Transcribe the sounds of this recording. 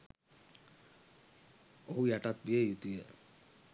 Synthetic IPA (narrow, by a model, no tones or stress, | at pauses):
oɦujaʈat̪̚bijejut̪ijə